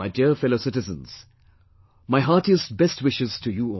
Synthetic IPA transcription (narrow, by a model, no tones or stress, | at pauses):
aɪdiəɾfɛloʊsɪtɨzə̰̃nz̥ | maɪɦaːtiəstbɛstwɪʃɪz̥tʰujuɔ